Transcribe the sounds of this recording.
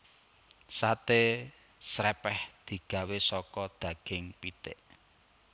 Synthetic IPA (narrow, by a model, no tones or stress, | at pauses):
sat̪e | sɾɛpɛhd̪̥i̤ɡ̥a̤wesɔkɔd̪̥ä̤ɡ̥ɪŋpit̪ɪʔ